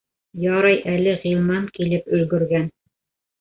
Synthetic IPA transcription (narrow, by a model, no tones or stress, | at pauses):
jɑɾɑjʔælɘʁilˠmɑnkilɘpɵ̆lɡɵ̆ɾɡæn